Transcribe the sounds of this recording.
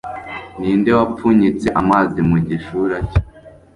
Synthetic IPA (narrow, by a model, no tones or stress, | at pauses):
niːndewapuɲit͡se̞ʔamaːzimuɟiʃuɾace̥